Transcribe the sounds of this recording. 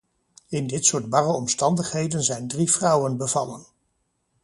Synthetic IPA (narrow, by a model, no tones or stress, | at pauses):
ɪndɪtsʊːɹdbɑrəɔmstɑndəχɦejdənzɛjndrivrʌwənbəvɑ̰lən